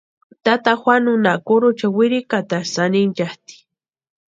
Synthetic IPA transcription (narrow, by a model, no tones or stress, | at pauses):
t̪at̪axwanʊnakʊɾʊt͡ʃawɪɾikat̪asanind͡ʒaht̪i̥